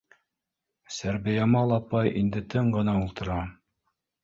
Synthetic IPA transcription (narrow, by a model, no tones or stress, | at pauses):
sæɾbɘ̆jæmɑlˠɑpɑjind̪ɘt̪ɤɴɢɤ̆nɑulˠt̪ɤ̆ɾɑ